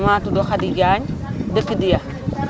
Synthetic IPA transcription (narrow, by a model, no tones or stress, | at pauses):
maːtudɔxadiɡaːɲdəkːidijɐ